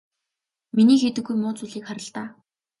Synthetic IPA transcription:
miniːxet̪ɘ̆ɡɡujmʊːt͡suɮiːkχaɾə̆ɬt̪aː

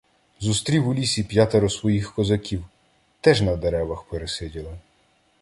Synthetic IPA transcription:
zust̪ɾʲiwʊlʲisʲipjat̪eɾɔsʋɔjixkɔzɐkʲiw | t̪ɛʒnɐd̪eɾɛʋɐxpeɾesɪdʲilˠɪ

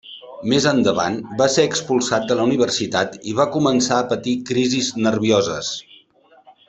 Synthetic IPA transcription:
mezənd̪əβa̰nbaseəkspulˠsat̪̚d̪ələuniβ̞ərsit̪at̪iβakumənsaəpət̪ikɾiziznərβiozəs

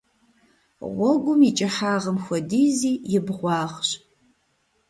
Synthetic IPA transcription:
ʁʷɔɡʷʊmit͡ʃʼɐħaːʁəmxʷɔdiːziːjɪbʁʷɑːχɕ

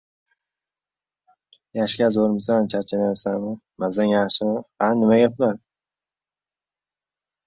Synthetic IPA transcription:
jaʃkʲazoɾmɪsant͡ʃʰaɾt͡ʃʰanajapsanmɪ | mazanjaχʃɪhanːɪmaɡʲaplaɾ

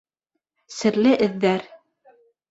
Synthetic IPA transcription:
sɘ̆ɾlɘʔɘ̆ðːæɾ

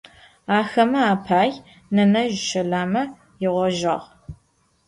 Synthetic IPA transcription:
aːxɐmɐaːpʰaːj | nɐnɐʒʃɐɮaːmɐ | jɪʁʷɔʒɐ̰ʁ

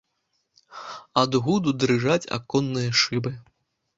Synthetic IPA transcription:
ad̪ɣud̪ud̪ɾɨʐat͡sʲa̰kɔnːɨjɐʂɨbɨ

